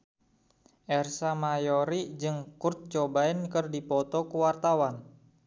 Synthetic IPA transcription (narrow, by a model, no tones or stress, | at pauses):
ʔɛrsamajɔɾid͡ʒɨŋkurt̪̚t͡ʃɔbaɛnkɨrdipɔt̪ɔkuwart̪awan